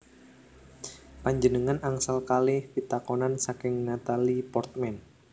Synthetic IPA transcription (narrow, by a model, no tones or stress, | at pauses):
paɲd͡ʒənəŋanaŋsalkalɪhpit̪akɔnansakɪŋnat̪alipɔrt̪̚mɛn